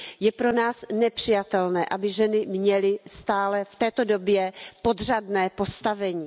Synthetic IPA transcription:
jɛpɾonaːsnɛpr̝̥ɪjat̪ɛlnɛːʔabɪʒɛnɪmɲɛlɪst̪aːlɛft̪ɛːt̪odo̞bjɛpo̞d̪r̝adnɛːpo̞st̪avɛɲiː

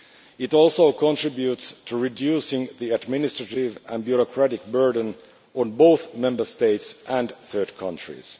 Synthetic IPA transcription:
ɪɾɔlˠsoʊkʰɔ̃ntɹ̥ɪbjutstʰuɹɪdjusɪ̃ŋðiæd̚mɪnɪstɹ̥əɾɪvə̃nbjuɹɔkʰɹæɾɪk̚bɜ˞də̃n | ɔ̃nboʊθmɛ̃mbə˞steɪtsʔæ̃nθɜ˞d̚kʰʌ̃ntɹ̥ḭz̥

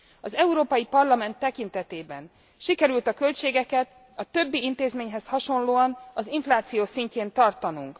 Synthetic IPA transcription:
ɒzɛuɾoːpɒjipɒrlɒmɛnt̪ːɛkint̪ɛt̪eːbɛn | ʃikɛɾylt̪ɒkø̞lt͡ʃeːɡɛkɛt̪ | ɒt̪ø̞bːiint̪eːzmeːɲɦɛshɒʃo̞nloːɒnɒziɱflaːt̪sijoːsiɲceːnt̪ɒrt̪ɒnuŋk

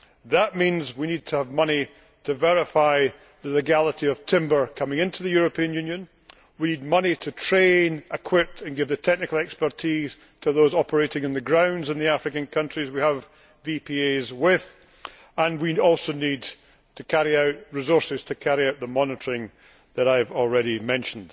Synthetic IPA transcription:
ðəʔmĩnzwinid̚tʰəːvmʌni | tʰəvɛɹɪfaɪ | ðəlˠɪɡalˠəʔiʌv̥tʰɪ̃mbə˞kʰʌmɪ̃ŋɪ̃ntʰʉðɨjʉɹəpʰiə̃njʉ̃njə̃n | winid̚mʌnitʰətʰɹ̥ẽnɪkʰw̥ɪp̚tʰə̃nɡɪvðətʰɛk̚nɪkəl̩ˠɛkspə˞tʰiz̥ | tʰəðozɔpʰə˞eʔɪ̃ŋɨ̃nðɨɡɹãʊ̃ndzɨ̃nðiafɹɪkɨ̃nkʰʌ̃nt͡ʃɹ̥izwiəv | vipʰiezwɪð̥ | ə̃nwiɔlˠsonid | tʰəkʰaɹiaʊʔɹɨzɔɹsɪz̥tʰɨkʰaɹiaʊʔ̪ðəmɔnɪtə˞ɪ̃ŋ | ðəɾaɪvɔl̩ˠɹɛɾimɛ̃nʃə̃n̩d̥

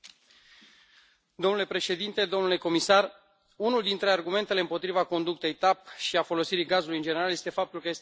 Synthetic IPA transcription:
d̪omnule̞pɾe̞ʃe̞d̪int̪e̞d̪o̞nule̞ko̞misar | unuld̪int̪ɾe̞arɡume̞nt̪e̞le̞ɨmpo̞t̪ɾivako̞nd̪uk̚t̪e̞jt̪ap̚ʃiafo̞lo̞siɾiɡazulujɨnd͡ʒe̞ne̞ɾalje̞st̪e̞fap̚t̪ulkəje̞s

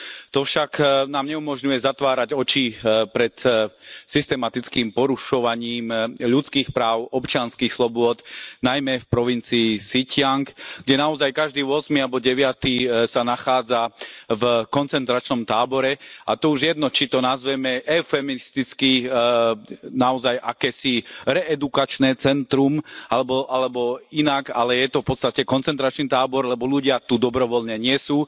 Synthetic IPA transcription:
t̪ɔfʃaknaːmɲɛumɔʒɲujɛzat̪ʋaːɾaɟɔt͡ʃiːpɾɛt̪sist̪ɛmat̪it͡skiːmpɔɾuʃɔʋaɲiːmʎut͡skiːxpɾaːʊɔpt͡ʃɪanskiːxslɔbʊɔd̪najmɛfpɾɔʋint͡siːsicɪaŋkɡɟɛnaɔzajkaʒd̪iːʊɔsmialbɔɟɛʋɪat̪iːsanaxaːd͡zavkɔnt͡sɛnt̪ɾat͡ʃnɔmt̪aːbɔɾɛʔa̰t̪ɔuʒjɛd̪nɔt͡ʃit̪ɔnazʋɛmɛʔɛfɛminist̪it͡ski | naɔzajʔakɛːsiɾɛʔɛd̪ukat͡ʃnɛːt͡sɛnt̪ɾumalɛbɔʔalɛbɔinakalɛjɛt̪ɔfpɔt̪st̪acɛkɔnt͡sɛnt̪ɾat͡ʃnit̪aːbɔɾlɛbɔluɟɪat̪ud̪ɔbɾɔʋɔlɲɛɲɪɛsuː

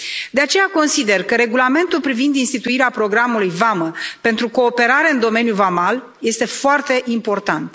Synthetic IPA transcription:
d̪eat͡ʃe̞jako̞nsid̪e̞rkəɾe̞ɡulame̞nt̪ulpɾivind̪inst̪it̪uiɾeapɾo̞ɡɾamulujvaməpe̞nt̪ɾuko̞ːpe̞ɾaɾe̞ɨnd̪o̞me̞njuvamal | je̞st̪e̞foart̪e̞ʔimpo̞rt̪ant̪

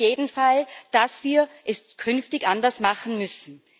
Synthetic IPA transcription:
jeːdn̩fald̥asv̥iːɐʔɛskʰʏnftɪçʔandɐsmaχn̩mʏsn̩

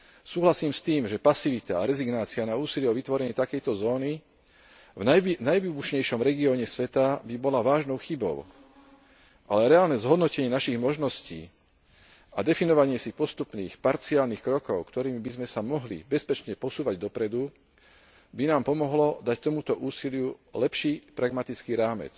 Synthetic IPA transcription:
suːɦlasiːmst̪iːmʒɛpasiʋit̪a̰ːɾɛziɡnaːt͡sianauːsiliɛɔʋit̪ʋɔɾɛɲiːt̪akɛjt̪ɔzɔːni | vanajʋibuʃɲɛjʃɔmɾɛɡiɔːɲɛsʋɛt̪abibɔlaʋaːʒnɔʊxibɔ̰ʊ | ʔalɛɾɛaːlnɛzɦɔd̪nɔcɛɲɪɛnaʃiɣmɔʒnɔscḭː | ad̪ɛfinɔʋaɲɪɛsipɔst̪upniːxpaɾt͡siaːlniːxkɾɔkɔʊkt̪ɔɾiːmibizmɛsamɔɦlḭbɛspɛt͡ʃɲɛpɔsuːʋaɟd̪ɔpɾɛd̪u | binaːmpɔmɔɦlɔd̪act̪ɔmut̪ɔʔuːsilɪjulɛpʃiːpɾaɡmat̪it͡skiːɾaːmɛ̰t͡s

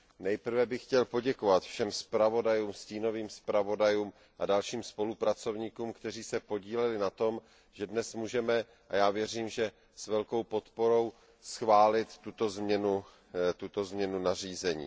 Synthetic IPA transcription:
nɛjpr̩vɛbɪxcɛlpo̞ɟɛko̞vat̪fʃɛmspɾavo̞dajuːmsciːno̞viːmspɾavo̞dajuːm | ʔadalʃiːmspo̞lupɾat͡so̞vɲiːkuːmkt̪ɛr̝iːsɛpo̞ɟiːlɛlɪnat̪o̞m | ʒ̥ɛdnɛsmuːʒɛmɛ | ʔajaːvjɛriːmʒɛ | svɛlko̞wpo̞t̪po̞ɾo̞w | sxvaːlɪt̪ːut̪o̞zmɲɛnu | t̪ut̪o̞zmɲɛnunariːzɛɲḭː

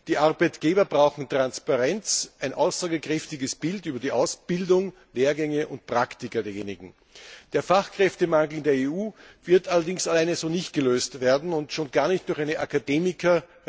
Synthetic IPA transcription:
d̥iːʔaɐbæɪtɡ̥eːbɐbʁaʊxn̩tʁ̥anspaʁɛnt͡sʔæɪnʔa̰ʊsz̥aːɡəkʁ̥ɛftɪɡəsb̥ɪltyːbɐdiːʔaʊsb̥ɪldʊŋ | leːɐɡɛŋəʔʊnt̚pʁ̥aktɪkɐdeːɐjḛːnɪɡŋ̩ | d̥eːɐfaχkʁ̥ɛftəmaŋɡl̩ɪndeːɐeːuːvɪɐtʔalɐdɪŋsalaɪnəzoːnɪçt̚ɡ̥əløːstv̥eːɐdn̩ʊntʃoːnɡ̥aːɐnɪçt̚d̥ʊɐxæɪnəʔakadeːmɪkʰɐ

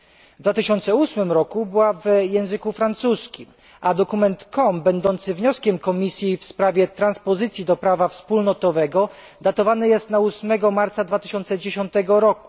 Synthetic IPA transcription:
vd̪vat̪ɘɕɔnt̪sɛusmɘmɾɔkubɘwavjɛ̃w̃zɘkufɾant̪suskʲim | ad̪ɔkumɛnt̪kɔmbɛnd̪ɔnt̪sɘvɲɔskʲɛmkɔmʲisʲjifspɾavʲjɛt̪ɾanspɔzɘt̪sʲjid̪ɔpɾavafspulnɔt̪ɔvɛɡɔ | d̪at̪ɔvanɘjɛst̪nausmɛɡɔmaɾt̪sad̪vat̪ɘ̥ɕɔnt̪sɛd͡ʑeɕɔnt̪ɛɡɔɾɔku̥

